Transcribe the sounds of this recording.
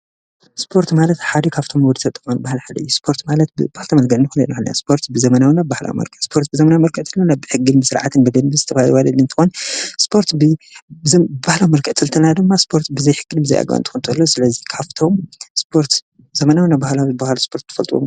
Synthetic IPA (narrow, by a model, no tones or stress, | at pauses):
spʰo̞ɾt̪malɐt̪ħad̪ikʰaβt̪ʰo̞mwd̪ɨt̪ʰɐt̪ʼːɨxonbahlħad̪ɐjːuspʰo̞ɾt̪malɐt̪̚bɨbahlt̪ʰɐmɐlɡɐʕnɨxɨnlɐ̰nɐxɨnna̰spʰo̞ɾt̪bɨzɐmɐnawnabbːahla̰wmɐ̰lkʰʼɨʕspʰoɾt̪bɨzɐmɐnawmɐlkʰɨʔt̪ʰɨlanabɨħɨɡɨlbɨsɨɾʕa̰t̪ʰɨnbɐd̪ɐnbɨzɨt̪ʰɐfahlwalɐlɨnt̪ʰɨxonspʰo̞ɾt̪bɨ | bahlawmɐlkʰɨʕt̪ʰɨlt̪ʰɨlnad̪ɨmːaspʰo̞ɾt̪bɨzɐjħɨɡɨlbɨzɐjʔa̰ɡwa̰nt̪ʰɨ̥xɨnt̪ʰɨɨlːosɨlɐzikʰaβt̪ʰo̞mspʰo̞ɾt̪ | zɐmɐnawnabahlawibahlspʰo̞ɾt̪ʰːɐ̥fɐ̰lt̪ʼuwo̰m